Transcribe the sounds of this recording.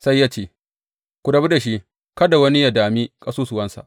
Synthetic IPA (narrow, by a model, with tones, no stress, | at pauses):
sa˦jːaː˦t͡ʃeː˦˨ | kʷu˨dɐ˨bu˦da˨ʃi˦ | kɐ˦da˨wɐ˦ni˦ja˨daː˨miː˦kʼɐ˦suː˦sʊ˨wɐ˦nsa̰˨ʔ